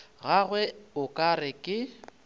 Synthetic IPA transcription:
ɣaɣwɛʊkʼarɪkʼɪ

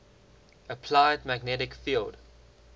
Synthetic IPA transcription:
əpʰlaɪdmæɡnɛɾɪkfilˠd̥

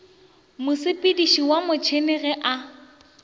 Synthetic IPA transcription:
mʊsɪpʼɪdiʃiwamʊt͡ʃʰenɛɣɛʔa

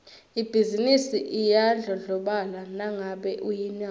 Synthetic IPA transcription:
ib̥ʱizinisiʔijaɮɔɮɔɓalanaŋaɓɛʔujina

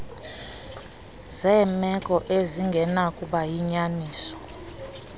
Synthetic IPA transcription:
zɛːmɛkʼɔʔeziŋɡʱɛnakʼuɓajiɲaniːsɔ̥

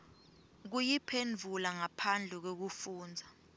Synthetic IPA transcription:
k̬ujipʰend͡vʱulaŋapʰand͡ɮʱɛk̬ok̬ufuːnd͡zʱa

